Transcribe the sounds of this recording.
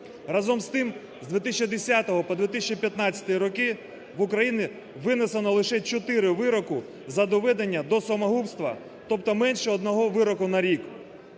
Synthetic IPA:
rɐzɔmst̪ɪm | zd̪ʲʋʲit̪ɪsʲt͡ʃid̪esʲat̪ɔɦɔpɔd̪ʋʲit̪ɪsʲt͡ʃʲipʲjɐt̪nɑt͡sʲɐ̥t̪ɔjiɾɔkɪ | ʋʊkɾɐjinɪ | ʋɪnesenɔlˠɪʃɛt͡ʃɔt̪ɪɾɪʋɪɾɔkʊ | zɐd̪ɔʋɛd̪enʲːɐd̪ɔsɔmɐɦupst̪ʋɐ̰ | t̪ɔp̚t̪ɔmɛnʃɛɔd̪nɔɦɔʋɪɾɔkʊnɐɾʲik

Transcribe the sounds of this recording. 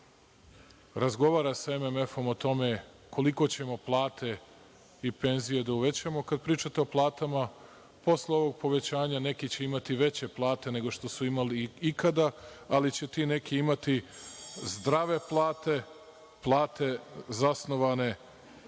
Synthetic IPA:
ɾazɡo̞ʋaːɾasaememe̞fo̞mot̪o̞me̞ | ko̞liko̞t͡ɕe̞mo̞plˠaːt̪ʰe̞ | ipe̞nzije̞d̪auʋe̞t͡ɕamo̞kad̪̚pɾiːt͡ʃat̪eoplˠaːt̪ama | po̞sleo̞ʋo̞ɡ̚po̞ʋe̞t͡ɕaːɲane̞kit͡ɕe̞imat̪iʋe̞t͡ɕe̞plˠaːt̪e̞ne̞ɡo̞ʃt̪o̞suimaliikad̪aalit͡ɕe̞t̪ine̞kiimat̪i | zd̪ɾaʋe̞plˠaːt̪e̞ | plˠaːt̪e̞zasno̞ʋane̞

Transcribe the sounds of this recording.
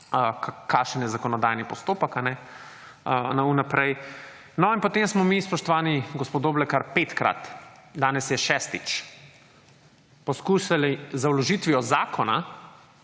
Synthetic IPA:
əkkʰaʃənjɛzakɔnɔd̪ajnipɔst̪oːpəkanɛ | ənaunapɾɛj | nɔinpɔt̪emsmɔmispɔʃt̪ɔʋaːniɡɔspod̪oːblɛkaɾpeːt̪kɾa̰t̪d̪aːnɛsjɛʃɛst̪it͡ʃ | pɔskuːʃalizaulɔʒit̪ʋiɔzaːkɔna̰

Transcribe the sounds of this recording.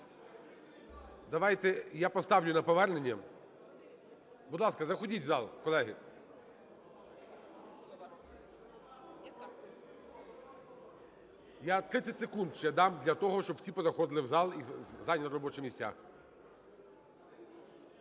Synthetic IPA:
d̪ɐʋɑjt̪ɛjapɔst̪ɑwlʲʊnɐpɔʋɛrnenʲːɐ | bʊd̪lˠɑskɐzɐxɔdʲitʲzɑlˠkɔlˠɛɦɪ̰ | jat̪ɾɪt̪sʲɐtʲsekund̪̚t͡ʃɛd̪ɑmd̪lʲɐt̪ɔɦɔʃt͡ʃɔbwsʲipɔzɐxɔd̪ɪlˠɪwzɑlˠizɑlʲnʲnɔɾɔbɔt͡ʃɛmʲisʲtʲa̰

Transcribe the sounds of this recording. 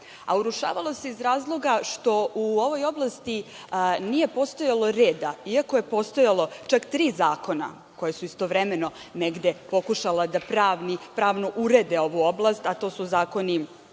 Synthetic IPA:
a̰uɾuʃa̰ːʋalˠo̞se̞izɾaːzlˠo̞ɡaʃt̪o̞ʔuo̞ʋo̞jo̞blˠast̪i | nije̞po̞st̪ojalo̞ɾeːd̪aiako̞je̞po̞st̪o̞jalˠo̞t͡ʃakt̪ɾiːzaːko̞na̰ | ko̞jesuist̪o̞ʋɾemeno̞neɡd̪epo̞kuʃalad̪apɾaːʋnipɾaːʋno̞ʔuɾed̪eo̞ʋuo̞blˠast̪at̪o̞ːsuzaːko̞ni

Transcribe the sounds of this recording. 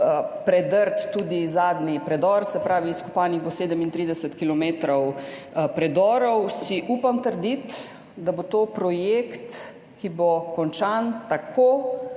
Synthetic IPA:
pɾɛd̪əɾt̪ːuːd̪izaːd̪nipɾɛd̪ɔɾsɛpɾaːʋiːskɔ̥paːniɣboseːd̪əmint̪ɾiːd̪ɛsət̪kilɔmeːt̪ɾɔw | pɾɛd̪ɔːɾɔwsiʔupamt̪əɾd̪it̪ | d̪abot̪oːpɾɔjeːkt̪ | kibokɔnt͡ʃant̪akʰoː

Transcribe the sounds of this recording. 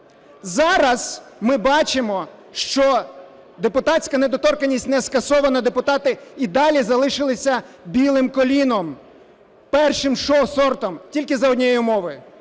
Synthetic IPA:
zɑɾɐz̥mɪbɑt͡ʃɪmɔ | ʃt͡ʃɔ | d̪epʊt̪ɑsʲkɐned̪ɔt̪ɔrkɐnʲisʲtʲnɛskɐsɔʋɐnɐd̪epʊt̪ɑt̪ɪid̪ɑlʲizɐlˠɪʃɪlˠɪsʲɐbʲilˠɪmkɔlʲinɔm | pɛrʃɪmʃɔsɔrt̪ɔmtʲilʲkɪzɐɔdʲnʲijɛjiʊmɔʋɐj

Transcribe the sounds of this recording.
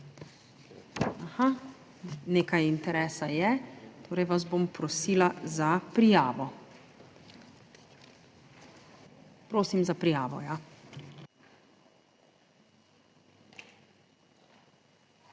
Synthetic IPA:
axa | neːkajint̪ɛɾɛːsajɛt̪oːɾɛjʋazbompɾɔsiːlazapɾijaːʋɔ | pɾoːsimzapɾijaːʋɔ̰ja

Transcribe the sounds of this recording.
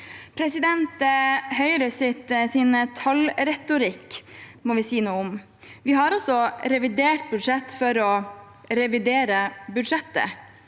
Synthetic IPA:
pʰɾɛsɪd̪ɛnt̪əhœʏɾəsɪt̪siːnət̪ʰɑlɾɛt̪ʊɾɪkːmɔʋɪsiːnuːəʊm | ʋɪhɑɾɔsɔɾɛʋɪd̪eːʈ̚bʉd̪ʂɛt̪ːfɔɾɔ | ɾɛʋɪd̪eːɾəbʉd̪ʂɛt̪ːə̰

